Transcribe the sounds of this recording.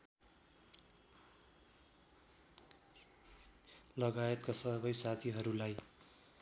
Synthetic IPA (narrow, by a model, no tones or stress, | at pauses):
lʌɡajet̪̚kasʌβʌjsat̪ʰiɦʌɾulaj